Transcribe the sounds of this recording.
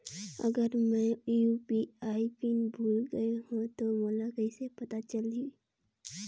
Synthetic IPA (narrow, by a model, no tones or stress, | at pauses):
ɐ̰ɡəɾmɛ̃jupiaːipinbʱuːlɡəeɦũt̪omoːlakəisepɐt̪at͡ʃəld̪i